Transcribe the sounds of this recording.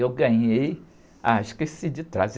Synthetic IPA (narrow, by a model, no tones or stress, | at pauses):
ewɡɐ̃ɲej | aʃkesid͡ʒɪt̪ɾaz